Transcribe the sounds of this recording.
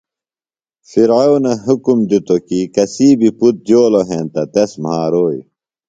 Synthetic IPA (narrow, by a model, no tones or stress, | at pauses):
fiɾaonɐɦukumd̪ut̪okikɐsiːbiput̪̚d͡ʑoːloɦẽːnt̪ɐt̪ɐsmhaːɾoːj